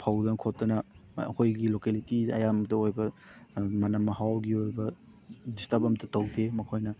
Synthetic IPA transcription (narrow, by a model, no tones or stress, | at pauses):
pʰawdɐnkʰotːɐnɐɐ̰kʰojɡilokelitiɐ̰jamtɐojbɐ | mɐnɐmːɐhawɡiojbɐ | distɐbɐmtɐtɐwdʰemɐkʰojnɐ